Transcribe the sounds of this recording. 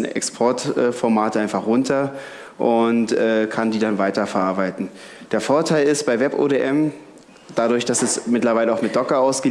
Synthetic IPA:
nɛ̰kspʰɔɐtʔɛːfɔɐmaːtəaɪnfaχʁʊntɐ | ʔʊntʔɛːkʰandiːdanvaɪtɐfɛɐʔaɐbaɪtn̩ | d̥eːɐfoːɐtʰaɪlɪst̚b̥aɪvɛpo̰ːdeʔɛm | d̥adʊɐçd̥asɛsmɪtlɐvaɪləaʊxmɪt̚d̥ɔkɐaʊsɡ̥ə

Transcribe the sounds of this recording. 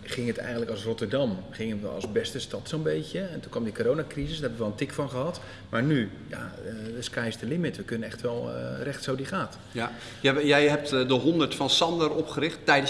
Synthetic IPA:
χɪŋətɛ̰jɣəntləkɑlˠsrɔtərdɑmχɪŋənʋə̰ɑ̰lˠzbɛstəstɑtsonbejtjəɛntunkʋɑmdikoːɾownakrizəsdrɦɛbəʋəʋɛlˠəntɪkfɑnχəɦɑt | maːɹny | ja̰əskɛjstəlɪmɪtʋəkønənɛxtʋɛlˠrɛxtsowdiχaːt | jɛjɦɛp̚tdəɦɔndəɹtfɑnsɑndəɾɔpχəɾɪχtːɛjdə

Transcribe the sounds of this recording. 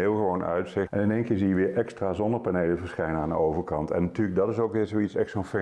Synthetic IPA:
ɪːlˠχəʋownœ̰ɥtsɪɛnɪnejŋkɪːɹzijəʋɪːɹʔɛkstraːzɔndəɹplanejləvəɹsχɛjnəaːndə̰owvəɹkɑntɛ̰nːtyːləɡ̚dɑtɪsowkʋɪːɹzowitsɛsonfɛ

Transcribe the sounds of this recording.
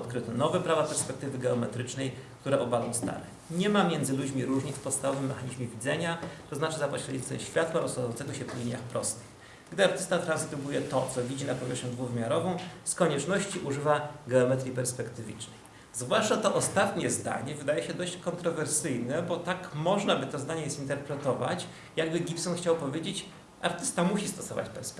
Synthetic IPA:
ɔt̪kɾɘt̪ɛnɔvɛpɾavapɛɾspɛk̚t̪ɘvɘɡɛɔmɛt̪ɾɘt͡ʂnɛjkt̪uɾɛʔɔbalɔ̃w̃st̪a̰ɾɛ̰ | ɲɛmamʲjɛnd̪zɘlud͡ʑmʲiɾuʐɲʲikfpɔt̪st̪avɔvɘmːɛxaɲiʑmʲevʲid̪zɛɲat̪ɔznat͡ʂɘzapɔɕlʲɛit̪sɛ̰ɕfʲjat̪waɾɔswajɔnt̪sɛɡɔɕɛpɔlʲiɲʲjaxpɾɔst̪ɘ̥x | ɡd̪ɘaɾt̪ɘst̪at̪ɾanst̪ubujɛt̪ɔt̪sɔvʲid͡ʑinapɔvʲjɛʂɲud̪vuvɘmʲjaɾɔvɔ̃w̃skɔɲɛt͡ʂnɔɕt͡ɕiʔuʐɘvaɡɛɔmɛt̪ɾʲipɛɾspɛkt̪ɘvʲḭt͡ʂnɛj | zvwaʂt͡ʂat̪ɔʔɔst̪at̪ɲɛzd̪a̰ɲɛvɘd̪ajɛɕɛd̪ɔɕt͡ɕkɔnt̪ɾɔvɛɾsɘjnɛbɔt̪akmɔʐnabɘt̪ɔzd̪aɲɛzint̪ɛɾpɾɛt̪ɔva̰t͡ɕ | jaɡbɘɡʲipsɔnxt͡ɕawpɔvʲjed͡ʑet͡ɕ | a̰ɾt̪ɘst̪amuɕist̪ɔsɔva̰t͡ɕpɛɾsp

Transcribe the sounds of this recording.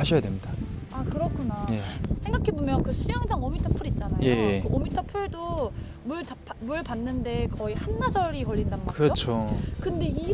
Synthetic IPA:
haɕʰʌjadwemɲida | akɯɾʌkʰunaje̞sʰe̞ŋɡakʰe̞bomjʌnkɯɕʰijaŋsʰaŋomitʰʌpʰuɾit̚t͡ɕ͈anajjeokɯomitʰʌpʰuɭdo | muɭapmuɭpanːɯnde̞kʌihanːad͡ʑʌɾikʌʎːindanɯnɡʌʌkɯɾʌot͡ɕʰokɯnde̞i

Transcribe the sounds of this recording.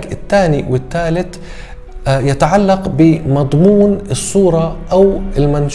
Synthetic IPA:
ɡɪt̪ːaːniwɪt̪ːaːlɪt̪ | jat̪aʕalːaqbɪmɑd̪ˤmuːnɨsˤːuːɾˤɑʔawɪlmanʃ

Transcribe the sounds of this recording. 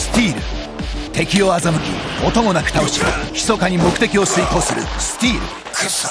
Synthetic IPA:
sɨ̥t̪ʲiːɾɯ̟ | t̪e̞kʲio̞azamɯ̟kʲḭot̪o̞mo̞nakɯ̥t̪aoɕḭçi̥so̞kaɲ̟imo̞kɯ̟t̪e̞kʲio̞sɨiko̞ːsɨɾɯ̰sɨ̥t̪ʲiːɾɯ̰

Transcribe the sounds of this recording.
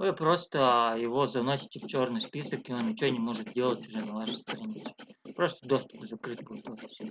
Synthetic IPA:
vɨpɾost̪əjɪvozɐnosʲɪ̥tʲɪft͡ɕo̞rnɨjspʲisəkɪonnʲɪt͡ɕonʲɪmoʐɨt̪̚dʲe̞lˠətʲʊʐɛnɐvaʂəjst̪ɾɐnʲit̪sɨ̥pɾost̪əd̪ost̪ʊ̥p̪əzɐkɾɨt̚ʲpɐt̪opʲɪsʲ

